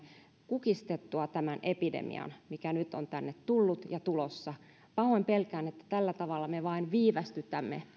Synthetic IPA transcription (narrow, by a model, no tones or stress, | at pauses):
kukist̪et̪ːuɑt̪æmænepidḛmḭɑ̰nmikænyt̪ont̪ænːet̪t̪ulːut̪jɑt̪ulosːɑ | pɑhoempelkæːnet̪ːæ̥t̪ælːæt̪ɑʋɑlːɑmeʋɑinʋiːʋæst̪yt̪æmːḛ